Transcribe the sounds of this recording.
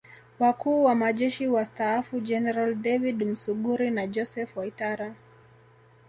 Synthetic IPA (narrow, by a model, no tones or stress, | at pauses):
wakuːwamaʄɛʃiwastaːfud͡ʒɛnɛɾaldɛvidm̩suɠuɾinad͡ʒɔsɛfwaitaɾa